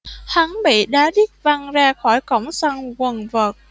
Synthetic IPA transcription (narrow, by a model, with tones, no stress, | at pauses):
ha˨˦ŋɓḭ˧˨ɗaː˨˦ɗi˦˥t̚va˧ŋzaː˧xɔ˧˩jkɔ˧˩wŋ͡msa˧ŋɣə˨˩nvəː˨˩t̚